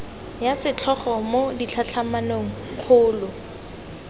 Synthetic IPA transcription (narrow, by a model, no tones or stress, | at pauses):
jasɪt͡ɬʰɔχɔmodit͡ɬʰat͡ɬʰamanoŋ̩q͡χʰʊːlʊ